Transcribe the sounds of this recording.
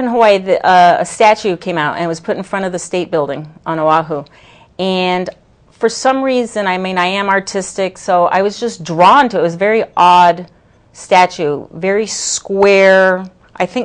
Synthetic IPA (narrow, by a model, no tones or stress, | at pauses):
ɨ̃nɦoaɪðɨʔʌɨ̰stæt͡ʃʉkʰẽɪ̃maʊɾɨ̰̃nwʌz̥pʰʊɾn̩fɹʌ̃ɾ̃ʌvðɨsteɪt̚b̥ɪlˠdɪ̰̃ŋə̃noɑɦu | ɨ̃n | fə˞sʌ̃mɹizɨ̃naɪmĩnaɪɨ̃mɑɹtʰɪstɪksoʊʔa̰ɪwʌzd͡ʒʌsdɹɔ̃ntɨt̚wʌzvɛɹiʔɔd | stæt͡ʃʉvɛɹiskwɛɹ | ʔaɪθɪ̃ŋ